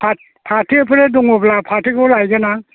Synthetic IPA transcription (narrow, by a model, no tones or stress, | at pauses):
pʰa | pʰatʰipʰɯɾedɔŋɔblapʰatʰikʰɔlajɡana